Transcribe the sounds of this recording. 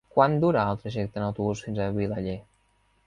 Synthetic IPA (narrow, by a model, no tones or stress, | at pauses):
kwand̪uɾaalˠt̪ɾəʒɛk̚t̪ənawt̪oβusfinzaβilaʎe